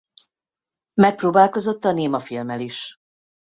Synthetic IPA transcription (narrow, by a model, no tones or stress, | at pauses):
mɛk̚proːbaːlko̞zo̞t̪ːɒneːmɒfilmɛliʃ